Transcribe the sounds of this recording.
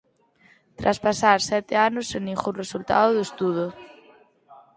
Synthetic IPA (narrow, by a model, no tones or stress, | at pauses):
t̪ɾʔaspasaɾsɛt̪ɪanʊseŋnĩŋxunresult̪a̰ðʊðʊest̪uð̞ʊ